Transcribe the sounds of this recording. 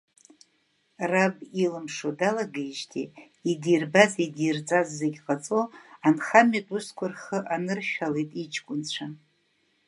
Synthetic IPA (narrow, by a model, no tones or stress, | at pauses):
rabilɨmʂodalaɡejʒtʰḭ | idirbazidijrd͡zʼazːeɡʲqʼat͡sʼo̞anχamatʼuskʷʰʊrχəʔanɨrʃᶣalejtʼit͡ʃʰʼkʷʼʊnt͡ɕʷʰa